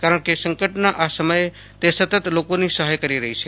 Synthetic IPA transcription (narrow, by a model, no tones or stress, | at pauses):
kaːɾəɳ̃kesə̃ŋkəʈnaʔasəməj | t̪esət̪ət̪lokõnisəɦəjkəɾiɾəɦit͡ʃʰɛ